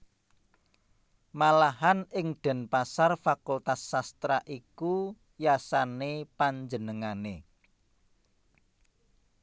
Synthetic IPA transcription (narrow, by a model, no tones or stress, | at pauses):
malaɦanʔɪŋɖ̪̥ɛ̤npasarfakult̪asːast̪ɾaʔiku | jasanepaɲd͡ʒənəŋane